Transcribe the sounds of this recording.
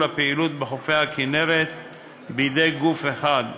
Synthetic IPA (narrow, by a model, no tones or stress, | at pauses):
lapeilut̪beχofejhakinevet̪ | bejd̪ejɡufeχad